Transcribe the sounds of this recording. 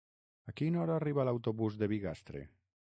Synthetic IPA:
akinɔɾaːriβalawt̪oβuzd̪eβiɣa̰st̪ɾḛ

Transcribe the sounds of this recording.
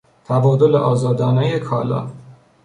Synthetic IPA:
t̪ʰævɒːd̪o̞leʔɒːzɒːd̪ɒːnɒːjekʰɒːlɒ̰ː

